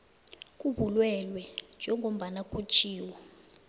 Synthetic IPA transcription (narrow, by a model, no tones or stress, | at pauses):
k̬ʼuɓulwɛlwɛnd͡ʒʱɛŋɡʱom̩ɓanak̬ʼut͡ʃʰʼiːwɔ